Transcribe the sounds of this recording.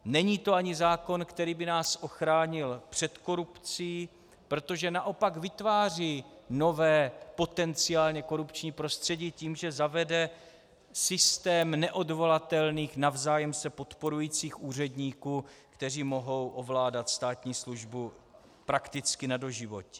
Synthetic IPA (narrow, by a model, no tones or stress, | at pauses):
nɛɲiːt̪o̞aɲɪzaːko̞nkt̪ɛɾiːbɪnaːsʔo̞xɾaːɲɪlpr̝̥ɛt̪ko̞ɾupt͡siː | pɾo̞t̪o̞ʒɛnaʔo̞pakvɪt̪vaːriːno̞vɛːpo̞t̪ɛnt͡sɪaːlɲɛko̞ɾupt͡ʃɲiːpɾo̞st̪r̝̥ɛɟiːciːmʒɛzavɛdɛ | sɪst̪ɛːmnɛʔo̞dvo̞lat̪ɛlniːxnavzaːjɛmsɛpo̞t̪po̞ɾujiːt͡siːxʔuːr̝ɛdɲiːkuːkt̪ɛr̝iːmo̞ɦo̞wʔo̞vlaːdat̪st̪aːt̪ɲiːsluʒbu | pɾakt̪ɪt͡skɪnado̞ʒɪvo̞cɛ̥